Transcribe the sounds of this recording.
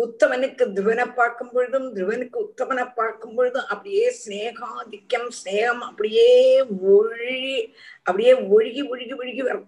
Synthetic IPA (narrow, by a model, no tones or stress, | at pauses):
ʊt̪ːɐmɐnɯkːɯd̪ɾɪʋɐnɐpːaːɾkɯmpɔɻɯðɯmd̪ɾʊʋɐnɯkːɯʊt̪ːɐʋɐnɐpːaːɾkɯmpoɻɯðɯ̃ʔɐpːɐɽɪjeːsneːɣaːd̪ɪkːɐmsneːɣɐmɐpːɐɽɪjeːɔɻi | ʔɐpːɐɽɪjeːʋɔɻɪɣiɔɻɪɣiʋɔɻɪɣiʋɐɾɐ